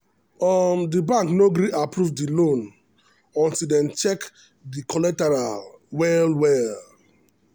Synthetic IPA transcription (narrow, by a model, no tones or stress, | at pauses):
ɔmdibãŋknoɡɾiʔapɹuvdilõn | ɔ̃ntildɛ̃nt͡ʃɛk | dikʰɔlɛtɛɹalwɛlwɛl